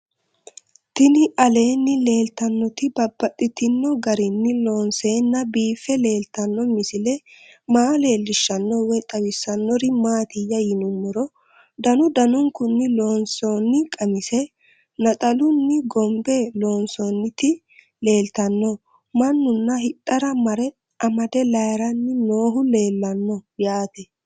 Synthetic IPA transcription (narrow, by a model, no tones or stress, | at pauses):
t̪ɪnɪʔɐle̞ːnːɪle̞ːlt̪ɐnːɔt̪ɪbɐbːɐt̪ʼːɪt̪ɪnːɔɡɐɾɪnːɪlo̞ːnse̞ːnːɐbiːfːɛle̞ːlt̪ɐnːɔmɪsɪlɛ | maːle̞ːlːɪʃːɐnːɔwɛt̪ʼɐwɪsːɐnːɔɾɪmaːt̪ɪjːɐjɪnʊmːɪɾɔ | d̪ɐnʊd̪ɐnʊŋkʊnːɪloːnsoːnːɪkʼɐmɪsɛ | nɐt̪ʼɐlʊnːɪɡɔmbeːloːnsoːnːɪt̪ɪ | le̞ːlt̪ɐnːɔ | mɐnːʊnːɐhɪtʼːɐɾɐmɐɾɛ | ʔɐmɐd̪ɛlɐjɾɐnːɪnoːɦʊle̞ːlːɐnːɔjaːt̪ɛ